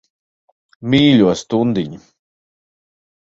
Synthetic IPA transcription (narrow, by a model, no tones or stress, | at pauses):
miːlʲuɔst̪und̪iɲi